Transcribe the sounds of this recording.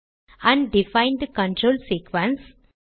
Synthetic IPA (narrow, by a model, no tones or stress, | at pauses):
æ̃ɳɖɖɪfãɪ̃nɖkə̃ɳʈɾoːlsiːkʋə̃ns